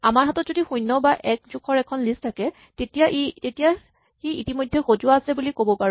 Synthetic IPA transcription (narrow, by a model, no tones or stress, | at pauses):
amaɹɦatɔtzodixujnːɔbaʔɛk̚zukʰɔɹɛkʰɔnlistʰakɛ | tetijaʔitetija | xiitimojdʱːɛxozuwaːsɛbulikobɔpaɹ